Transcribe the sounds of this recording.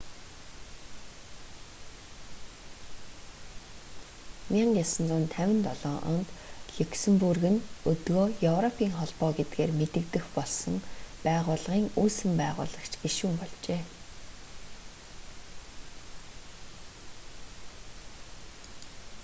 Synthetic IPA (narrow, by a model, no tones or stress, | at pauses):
mʲiɴɢjasə̆nt͡sʊːnt̪ʰæwʲɪ̆nt̪ɔɮɔːʔɔ̰nt̪ɮuksɘ̆mpurɣɘ̆nɵt̪ɣoːjɵwrɔpʰiːŋχɔɮpɔːɡet̪̚ɡeːrmet̪ɘ̆kt̪ɘ̆xpɔɮsɞ̆ŋpæːʁʊːɮʁiːŋuːsɘ̆mpæːʁʊ̰ːɮʁə̆kt͡ɕʰɡeʃuːmpɔɮt͡ɕeː